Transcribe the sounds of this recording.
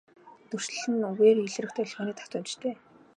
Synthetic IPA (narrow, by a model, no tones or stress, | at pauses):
t̪ɵr̥ʃ̆ɮɘ̆nɵɣeːriɮ̆rɘ̆kt̪ʰeːɮʁaːniːt̪ʰḁt̪ʊnt͡ɕt̪ʰeː